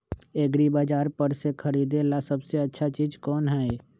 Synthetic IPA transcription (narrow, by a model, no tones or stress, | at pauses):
eːɡɾibaːd͡ʒaːɾpəɾsekʰəɾiːd̪elasəbseɐtːʃʰat͡ʃiːd͡ʒkɔːnɦɛe